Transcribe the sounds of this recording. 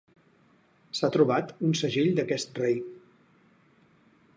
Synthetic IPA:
sat̪ɾuβat̪unsəʒiʎd̪əkɛst̪rej

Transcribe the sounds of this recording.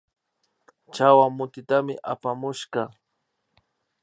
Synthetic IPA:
t͡ʃawamʊt̪ɪt̪amɪ̰ʔapamʊʃɢɑ

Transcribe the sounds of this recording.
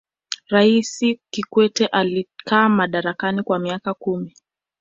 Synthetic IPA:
ɾaisikikwɛtɛʔalikʰaːmaɗaɾakanikwamiakakumi

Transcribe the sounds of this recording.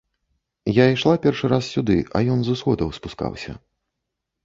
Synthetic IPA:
jaiʂlˠapʲɛrʂɨɾassʲud̪ɨʔɐ̰jɔnzusxɔd̪ɐwspuska̰wsʲɐ̰

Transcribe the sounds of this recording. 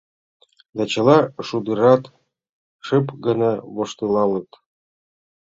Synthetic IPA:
d̪ɑt͡ɕɤ̆lɑʂud̪ɤɾɑt̪ | ʃɤpɡɤ̆nɑβoʃt̪ɤlɑlɤ̆t̪

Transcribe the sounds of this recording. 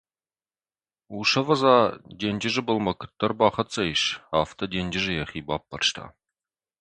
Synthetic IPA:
uʃɐvɐzɑd̪ʲenʲd͡ʒɪʒɪbəlˠmɐkʰɨ̥t̪ːɐrbɑχɐt͡sʼɐjʃaːft̪ʰɐd̪ʲenʲd͡ʒɪʒɪjɐχiːbaːpːɐrʃt̪ʰa̰

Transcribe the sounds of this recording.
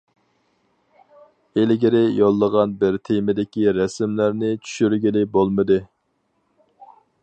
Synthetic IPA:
elɡʲiɾɪjolˠːəʁɑnbɪɾt̪ʰemɪd̪ɪkʲiɾɛsɪmlæɾnɪt͡ʃʰy̥ʃyɾɡʲilɪbolˠmɨd̪ɨ

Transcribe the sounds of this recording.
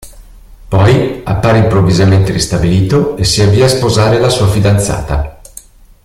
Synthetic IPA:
pɔjapːaːɾeimpɾovːizament̪eɾist̪abiliːt̪oesiavːiːaspozaːɾelasuːafid̪ant̪sa̰ːt̪a

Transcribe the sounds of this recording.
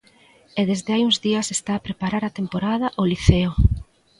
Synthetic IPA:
ɛðezðeajuŋzðiɐsest̪aːpɾepaɾaɾat̪empoɾað̞ɐʔoliθeo

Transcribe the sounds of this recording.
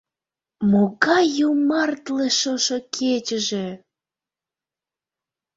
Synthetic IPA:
moɣɑjumɑrt̪leʃoʃokʰet͡ɕəʒe

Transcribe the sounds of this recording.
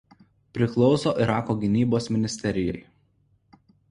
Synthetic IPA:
pʲɾʲɪklˠɒʊsoːʔɪɾɑːkoːɡʲɪnʲiːboːsmʲɪnʲɪsʲt̪ʲɛɾʲɪjɛ̰ɪ

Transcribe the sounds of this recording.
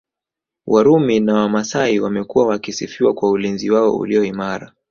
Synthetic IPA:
wʔaɾuminawamasaiwamɛkuwawakisifiwakwaulinziwaɔ̰ṵliɔimaɾa

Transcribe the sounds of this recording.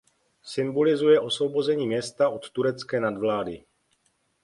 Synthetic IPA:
sɪmbo̞lɪzujɛʔo̞svo̞bo̞zɛɲiːmɲɛst̪aʔo̞t̪ːuɾɛt͡skɛːnadvlaːdɪ

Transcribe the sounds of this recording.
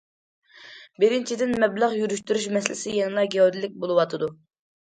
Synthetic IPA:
bɪɾɪnt͡ʃʰid̪ɪnmɛblæʁjyɾyʃt̪yɾyʃmɛslɪ̰sɪjɛŋlˠɑɡʲeod̪ilːɪk̚ʲbolˠɨwɑt̪ʰɨd̪u

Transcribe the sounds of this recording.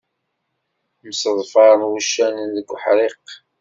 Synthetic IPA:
msəðˤfɑɾˤmwuʃːænənðəɡʷːħɾeq

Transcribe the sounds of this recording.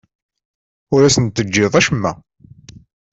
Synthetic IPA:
ʊɾæsənt̪ːəd͡ʒːɪðˤæʃəmːæ̰

